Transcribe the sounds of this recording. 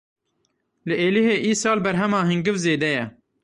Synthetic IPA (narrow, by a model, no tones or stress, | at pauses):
lɨʔeːliheːʔiːsɑːlbɛɾɦɛmɑːɦɨŋɡɨvzeːd̪ɛjɛ